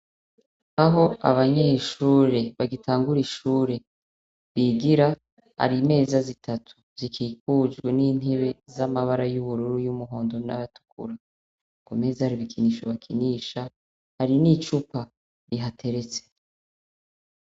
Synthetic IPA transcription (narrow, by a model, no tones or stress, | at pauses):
aɦo̞a̰βaɲeːʃuːɾe̞βaɡitʰaːŋɡuɾiʃuːɾe̞ | βiɡiɾa | ha̰ɾime̞ːzazitʰatʰu̥z̥ikʰiːkuːd͡ʒɡweniːn̥eβe̞zamaβaɾajuβuɾuɾujumuɦo̞ːndo̞na̰βatu̥kṵɾa | ŋɡome̞ːzahaɾiβikʰiniːʃoβakʰiniːʃa | haɾinit͡ʃupa | ɾiɦatʰe̞ɾe̞t͡se̥